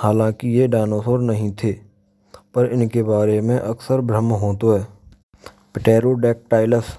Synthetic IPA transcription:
haːlãːkijeɖaːnoːsoːɾnəɦĩt̪ʰeː | pəɾɪnkebaːɾemẽʔɐksəɾbɾəmɦoːt̪oɦɛː | pɪʈeːɾoɖɛːk̚ʈaːɪləs

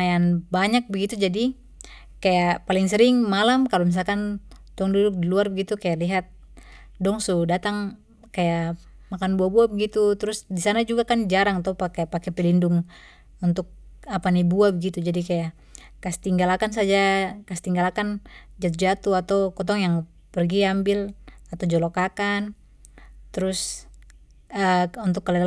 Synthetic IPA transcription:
ajanbaɲak̚bəɡit̪ud͡ʒadi | kajapaliŋsəɾɪŋmalamkalomis̬alkan | dɔŋdudʊk̚diluarbəɡit̪ukajaliɦat̪̚ | dɔŋsudat̪aŋ | kaja | makanbuabuabəɡit̪ut̪ɾʊsdisanad͡ʒuɡakand͡ʒaɾaŋat̪apakajapakɛpɛlindʊŋ | unt̪ʊk̚ | apanibuabəɡit̪ud͡ʒadikaja | kast̪iŋɡalakans̬ad͡ʒakast̪iŋɡalakand͡ʒat̪̬ud͡ʒat̪uat̪awkɔt̪̬ɔŋjaŋ | pərɡiambɪlat̪awd͡ʒɔlokakan | t̪əɾʊs | əunt̪ʊkːəla

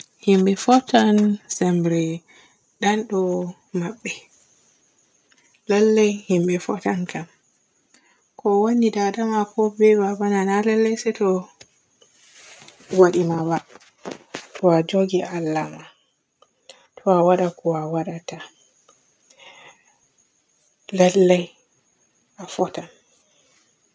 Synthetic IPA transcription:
himɓɛfɔtansɛmbɾɛ | ɗanɗɔ | maɓːɛ | lɛlːɛjhimbɛfɔtankam | kʰɔwonidadamakʰɔbɛbabananalɛlːɛjsɛtɔ | waɗimaba | tɔad͡ʒoɡiʔalːama | tʰɔawaɗakɔwawaɗata | lalːaj | ʔafɔtan

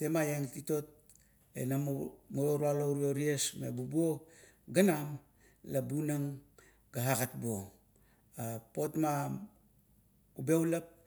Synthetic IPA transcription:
te̞majeŋtito̞t̚ | ḛnammoɾualoɾioɾiesmebubuo̞ | ɡanam | labunaŋ | ɡaɦaɡat̚buo | apo̞tma | ube̞wlap̚

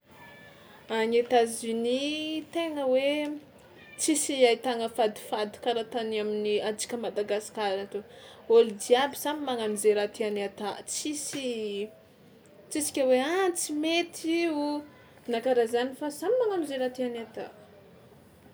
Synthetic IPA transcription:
aɲet̪azunit̪eŋəwe | t͡sisiajt̪aŋəfad̪i̥fad̪i̥kaɾat̪anaminiad͡ʒi̥kʲəmad̪aɡasi̥kaɾat̪eolid̪iabisamimaŋamizeɾat̪ianat̪at͡sisi | t͡sisi̥kʲəweant͡simet̪ʰiu | nakaɾazanifasamimaŋamizeɾat̪ianat̪a

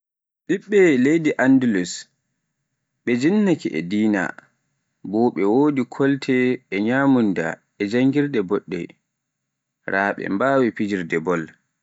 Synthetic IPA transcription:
ɓiɓːɛlejdiʔandulus | ɓɛd͡ʒinːakiʔɛ̰diːna̰ | bɔɓɛwoːdikʰɔltʰɛːɲaːmunda̰ | ɛd͡ʒaŋɡiɾdɛbɔɗːɛ̰ | ɾaːɓɛ̰mbawipid͡ʒiɾdɛbɔl

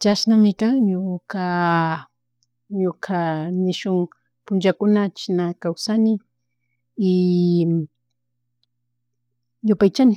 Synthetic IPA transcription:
t͡ʃasnamɪkaŋɲʊka | ɲʊkʰanɪʃʊŋ | pʊnt͡ʃakʊnat͡ʃɪnakawsanɪː | jʊpajt͡ʃanɪ

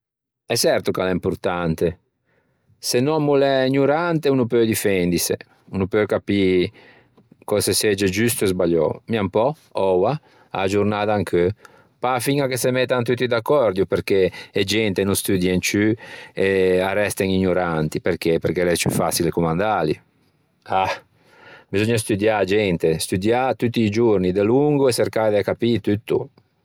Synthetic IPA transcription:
ɛsɛrt̪ukalɛimpuɾt̪ant̪e | senːɔmːulɛiɲuɾant̪eunupøjd̪ifɛnd̪isḛ | unupøjkapi | kɔsesɛd͡ʒed͡ʒyst̪uezbaʎːɔ̰miampɔ | ɔwa | a̰d͡ʒuɾnaːd̪aŋkʰø | pafiŋakesemet̪ːant̪̬ut̪ːid̪akːɔɾd̪jupeɾk̟eed͡ʒɛnt̪enust̪yd̪jeŋt͡ʃyearɛst̪eŋiɲoɾant̪ipeɾkepeɾkelɛst͡ʃy̰fasilekumand̪ali | a | bizɔɲːast̪ud̪jad͡ʒɛnt̪est̪ud̪jat̪ut̪ːiːd͡ʒuɾnid̪eluŋɡueseɾkad̪ekapit̪yt̪ːu

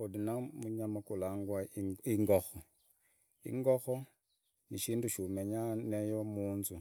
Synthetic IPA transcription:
odinamuɲamakulaːŋɡwaiŋɡoxo | ḭŋɡoxo | niʃiːnduʃumeɲanejomuːnzu

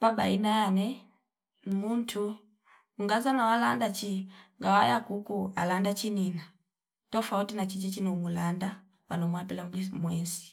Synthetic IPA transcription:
pabainaːnɛ | mun̩tʰu | uŋɡazanawalandat͡ʃiŋɡawajakukualandat͡ʃinina | tɔfautinat͡ʃit͡ʃit͡ʃinumulanda | wanɔmwapɛlamlimwɛsi̥

